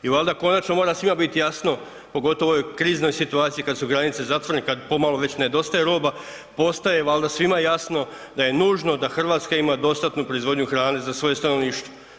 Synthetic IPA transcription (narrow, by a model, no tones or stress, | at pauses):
iʋalˠd̪ako̞nat͡ʃno̞mo̞ɾasʋimabit̪ijasno̞ | po̞ɡo̞t̪o̞ʋookɾiːzno̞jsit̪uaːt̪sijikad̪suɡɾanit̪sezat̪ʋoɾenekad̪po̞malˠo̞ʋe̞t͡ɕne̞d̪o̞st̪ajeɾo̞ːba | po̞st̪aje̞ʋald̪asʋimajejasno̞ | d̪aje̞nuːʒno̞d̪axr̩ʋaːt̪skaimad̪o̞st̪at̪nupɾoizʋo̞d̪ɲuxɾaːne̞zasʋo̞jest̪anoʋniːʃt̪ʋo